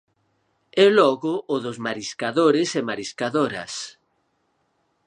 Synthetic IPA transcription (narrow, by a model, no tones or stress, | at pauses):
ɛlɔɣʊʔːðʊzmaɾiskaðoɾɪsemaɾiskaðoɾɐ̰s